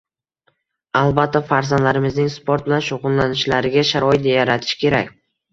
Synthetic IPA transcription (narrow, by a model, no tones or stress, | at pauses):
alˠbat̪ʰːafaɾzand̪laɾɪmɪznɪŋspʰoɾt̪̚bɪlanʃoʁʊnlanɪʃlaɾɪɡʲaʃaɾɒɪt̪̚d̪ajaɾat̪ʰɪ̥ʃkʲʰe̞ɾakʲ